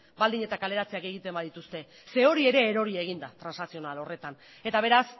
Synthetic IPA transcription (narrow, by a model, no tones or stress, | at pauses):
bald̪iɲe̞t̪akale̞ɾat͡seake̞ɣit̪e̞mbaðit̪ust̪e̞ | se̞o̞ɾie̞ɾe̞ːɾo̞ɾie̞ɣ̞ind̪at̪ɾansnasio̞nalo̞re̞t̪an | e̞t̪aβ̞e̞ɾas